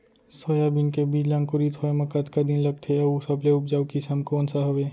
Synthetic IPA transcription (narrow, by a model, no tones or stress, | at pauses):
soːjabinkebiːd͡ʒlãːŋkʊɾit̪ʰoːemɐkat̪kad̪inlɐɡ̚t̪ʰeɐusɐbleʊpd͡ʒaːukisɐmkoːnsaɦɐʋeː